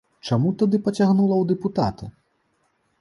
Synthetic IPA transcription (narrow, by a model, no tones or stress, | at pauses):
t͡ʂamut̪ad̪ɨpɐt͡sʲaɣnulˠɐwd̪ɛput̪at̪ɨ